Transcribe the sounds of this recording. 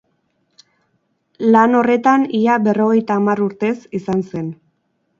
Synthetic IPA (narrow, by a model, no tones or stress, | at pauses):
lano̞re̞t̪aniabe̞ro̞ɣ̞e̞jt̪aːmaɾuɾt̪e̞sisanse̞n